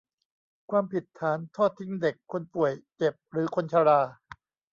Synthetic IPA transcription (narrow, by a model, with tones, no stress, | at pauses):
kʰwaː˧mpi˨˩t̪ʰːaː˩˦nt̪ʰɔː˥˩t̪ʰːi˦˥ŋde˨˩kʰːo˧npu˨˩əjt͡ɕe˨˩p̚ɾɯː˩˦kʰo˧nt͡ɕʰa˧ɾaː˧